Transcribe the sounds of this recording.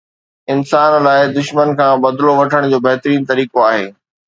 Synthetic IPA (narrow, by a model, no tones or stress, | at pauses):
ɪnsaːnlaːɪd̪ʊʃmənkʰãːbɐd̪loʋɐʈʰəɽ̃d͡ʑoːbɛɦt̪ɾiːnt̪ɐɾiːkoaːɦeː